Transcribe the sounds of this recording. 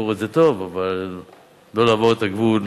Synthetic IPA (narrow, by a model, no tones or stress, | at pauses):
oʁezet̪o̞vavalː | o̞laːmoʁet̪aɡvul